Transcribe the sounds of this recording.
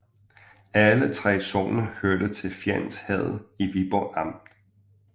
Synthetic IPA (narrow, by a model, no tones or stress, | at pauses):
ælət͡sʰʁɛ̰ːsɔ̰ːnəhøɐd̥ət͡sʰe̝lfjæn̰shɛð̰ˠiʋib̥ɒɑ̈m̰d̥